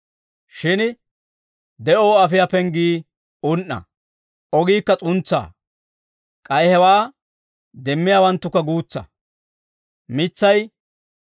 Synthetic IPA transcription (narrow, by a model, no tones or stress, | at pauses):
ʃɪn | d̪ɛʔoːɐfɪjapɛŋɡiː | ʊnʔːɐ̰ | ɔɡiːkːɐt͡sʼʊnt͡sːa̰ː | kʼɐjhɛwaː | d̪ɛmːɪjaːwɐnt̪ːʊkːɐɡuːt͡sːɐ̰ | mɪt͡sːɐj